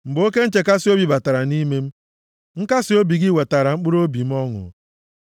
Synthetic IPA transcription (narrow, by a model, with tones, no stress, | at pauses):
m̩˨bo˦ke˦n̩˦t͡ʃe˨ka˦sɪ˦o˦bi˨ba˨ta˨ɾa˨ni˦me˦m̩˦ | ŋ̩˦ka˦sɪ˦o˦bi˨ɡɪ˦we˨ta˨ɾa˨ŋ͡m̩˦k͡pʊ˦ɾo˦bi˨m̩˦ɔ˦ŋʊ̰˨